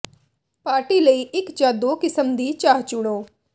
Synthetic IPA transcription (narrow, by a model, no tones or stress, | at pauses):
paːɾʈiːləiːʔɪkd͡ʒaːd̪oːkɪsəmd̪iːt͡ʃaːɦt͡ʃʊɽ̃oː